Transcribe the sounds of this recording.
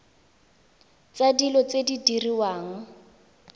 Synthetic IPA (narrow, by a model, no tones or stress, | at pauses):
t͡sadilɔt͡sedidiriwaːŋ̩